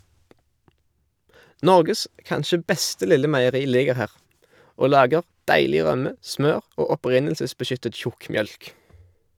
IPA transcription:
ˈnɔʁɡəs ˈkɑnʃə ˈbɛstə ˈlɪlə mæɪəˈʁiː ˈlɪɡəʁ ˈhæːʁ ˈoː ˈlɑːɡəʁ ˈdæɪlɪ ˈʁœmə ˈsmøːʁ ˈoː ɔˈpʁɪnəlsəsbəˌʃʏtət ˈçʊkmˌjœlk

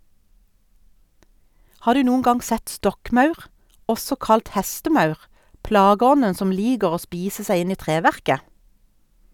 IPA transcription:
ˈhɑː ˈdʉː ˈnuːən ˈɡɑŋ ˈsɛt ˈstɔkˌmɑʉʁ ˈɔsɔ ˈkɑlt ˈhɛstəˌmɑʉʁ ˈplɑːɡəˌɔnən ˈsɔm ˈliːɡəʁ ˈoː ˈspiːsə ˈsæɪ ˈɪn ˈiː ˈtʁeːˌʋæʁkə

